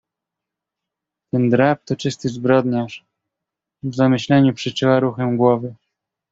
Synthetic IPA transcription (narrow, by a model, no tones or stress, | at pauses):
t̪ɛnd̪ɾap̚t̪ɔt͡ʂɘst̪ɘzbɾɔd̪ɲaʂ | vzamɘɕlɛɲupʂɘt͡ʂɘwaɾuxɛmɡwɔvɘ